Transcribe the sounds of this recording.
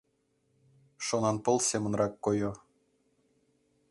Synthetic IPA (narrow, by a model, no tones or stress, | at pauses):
ʃonɑnpɤ̆lˠsemə̆nrɑkːojo